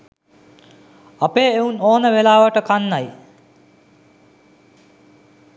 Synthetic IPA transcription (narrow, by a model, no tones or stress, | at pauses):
apeːeunoːnəʋelaːʋəʈəkanːaj